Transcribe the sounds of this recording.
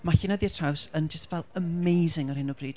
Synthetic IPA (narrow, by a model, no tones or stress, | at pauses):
maɬɪnəðiə̥tʰawsənd͡ʒəstvɛlˠəmejzɪŋərhɪnɔbriːd